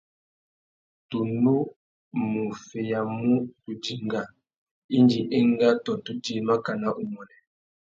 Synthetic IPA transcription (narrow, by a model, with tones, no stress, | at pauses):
tu˨nu˦ | mu˨fe˨ja˨mu˦tu˨d͡ʒi˨ŋɡa˨ | i˦ndi˨ʔɛ˦ŋ˦ɡa˦tɔ˨tu˦d͡ʒi˦ma˦ka˨na˦ʔu˨mɔ˨nɛ˨